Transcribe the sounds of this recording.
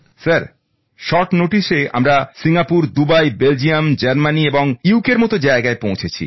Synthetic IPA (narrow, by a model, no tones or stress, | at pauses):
saɾ | ʃɔʈnoʈiʃea̰mɾasiŋapuɾd̪ubajbeld͡ʑiamd͡ʑaɾmanieboŋiukeɾmɔt̪od͡ʑaeɡaepõw̃t͡ɕʰet͡ɕʰḭ